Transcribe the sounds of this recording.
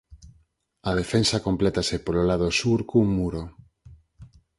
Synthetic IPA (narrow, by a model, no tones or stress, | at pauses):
ɐð̞efensakomplɛt̪asepololað̞osuɾkumuɾo